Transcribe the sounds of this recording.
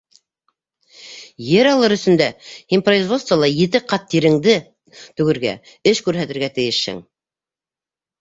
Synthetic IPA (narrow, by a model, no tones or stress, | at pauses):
jɘɾɑlˠɤɾɵ̆sɵ̆nd̪æhinproizvo̞t̪st̪vəlˠɑjɘ̆t̪ɘqɑt̪ːiɾɘ̆ŋd̪ɘ | t̪ʉ̆ɡɘ̆ɾɡæ̰ | ɘʃkʉɾɦæt̪ɘ̆ɾɡæt̪ɘ̆jɘʃhɘ̰ŋ